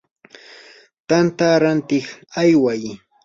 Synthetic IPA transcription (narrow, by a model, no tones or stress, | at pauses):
t̪ant̪aɾant̪ɪχajwaj